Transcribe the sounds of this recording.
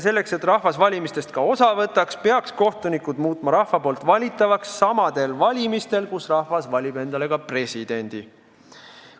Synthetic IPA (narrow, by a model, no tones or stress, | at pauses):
se̞lːe̞kse̞t̪rɑhvɑsvɑlʲimist̪e̞st̪̚kɑo̞sɑvɤ̞t̪ːˑɑkspe̞ɑksko̞ht̪unikud̪̥muːt̪ˑmɑɾɑhvɑpo̞ːlt̪ˑvɑlʲit̪ːˑɑvɑksːɑmɑd̪̥e̞lvɑlʲimist̪e̞lkusrɑhvɑsvɑlʲibe̞nd̪ɑle̞ɡɑpre̞sid̪̥e̞nʲd̪̥i